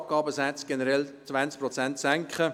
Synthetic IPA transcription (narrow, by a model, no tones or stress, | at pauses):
p̚ɡ̥ɑːbəsæt͡sɡ̥ɛnəɾɛlt͡svænsk̚pɾɔt͡sænt̪sæŋkχə